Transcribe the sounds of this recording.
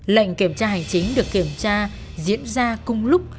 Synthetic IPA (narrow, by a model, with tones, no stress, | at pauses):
lə̰˧˨jŋ̟ki˧˩əmt͡ɕaː˧ɦa˨˩jŋ̟t͡ɕï˨˦ŋ̟ɗɨ˨˩əkːi˧˩əmt͡ɕaː˧ | zḭ˧˥ənzaː˧kʊ˧ŋ͡mlʊ˦˥k͡p̚